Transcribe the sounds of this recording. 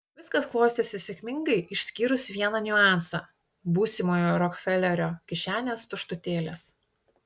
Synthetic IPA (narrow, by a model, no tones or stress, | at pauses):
ʋʲɪskɐsklˠoːsʲt̪ʲeːsʲɪsʲekʲmʲɪŋɡɐɪʔɪʃʲsʲkʲiːɾʊsʲʋʲiɛnɑnʲʊɑˑnsɑ̰ː | buːsʲɪmoːjoːɾɔkfʲɛlʲɛɾʲoːkʲɪʃʲæːnʲeːst̪ʊʃt̪ʊt̪ʲeːlʲeːs